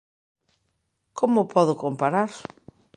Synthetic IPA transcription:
komʊpʰɔðʊkompaɾaɾ

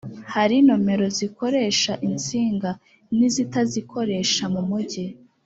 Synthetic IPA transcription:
haɾino̞me̞ɾo̞ziko̞ɾe̞ːʃaʔint͡siːŋɡa | nizitazikʰo̞ɾe̞ʃamumuɟe

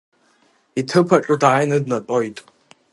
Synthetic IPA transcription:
itʰɨpʰaʈ͡ʂʼɨdajnɨdnatʼojtʼ

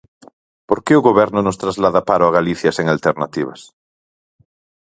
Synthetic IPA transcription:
poɾkeʊɣoβɛɾnʊnost̪ɾazlaðapaɾʊaɣaliθjaseŋalt̪eɾnat̪iβ̞a̰s

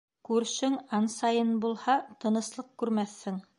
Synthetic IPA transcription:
kʉɾʃɘŋɑnsɑjɤnbulˠhɑt̪ɤ̆nɤ̆slˠɤq̚kʉɾmæθːɘŋ

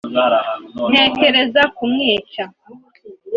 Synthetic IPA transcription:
n̥e̞ːke̞ɾe̞zakumŋiːt͡ʃa

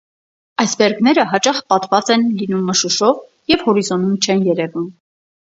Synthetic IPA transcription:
ɑjsbɛɾɡn̪ɛɾəɦɑt͡ʃɑχpɑt̪vɑt͡sɛnlinumːəʃuʃɔv | jɛvhɔɾizɔnumt͡ʃʰɛnjɛɾɛvum

